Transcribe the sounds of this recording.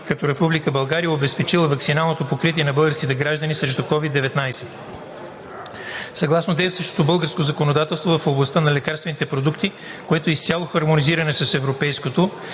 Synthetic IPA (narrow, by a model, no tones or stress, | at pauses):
kɐt̪ɔɾɛpublikəbɐlˠɡaɾijəobɛspɛt͡ʃilˠəvɐkt̪sinalˠnot̪opokɾit̪iɛnɐbɤlˠɡəɾskit̪ɛɡɾaʒd̪ənisɾɛʃ̬t̪okɔvid̪ːɛvɛt̪najsɛ | sɐɡlˠasnot̪ɛːfsɤʃt̪o̥t̪obɤlˠɡəɾskozɐkonod̪at̪ɛlˠst̪vovɐfoblˠɐst̪ənɐlɛkaɾst̪vɛnit̪ɛpɾod̪ukt̪i | koɛt̪oist̪ʲalˠoxɐɾmoniziɾɐnɛsɐsɛvɾopɛjskot̪o